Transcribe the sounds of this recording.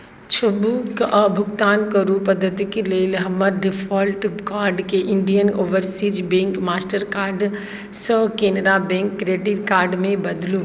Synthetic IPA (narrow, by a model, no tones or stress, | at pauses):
t͡ʃʰɐbukʔɐbʱʊɡt̪aːnkɐɾupɐd̪ʱət̪ikileːlɦəməɾɖɪfʰɔːlʈkaːɾɖkeʔɪɳɖijənoːʋəɾsiːd͡ʒbẽːŋkmaːsʈəɾkaːɾɖ | səkeːnɾabẽŋkːɾeːɖiʈkaːɾɖmẽbɐd̪luː